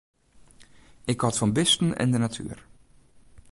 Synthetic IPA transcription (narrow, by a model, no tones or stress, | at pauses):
ɪkɔtfɔnbɪstən̩ɛ̰ndənatʰy̰ːr